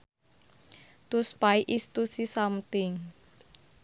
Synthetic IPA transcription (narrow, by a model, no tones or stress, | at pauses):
t̪uspaiʔist̪usisamt̪ɪŋ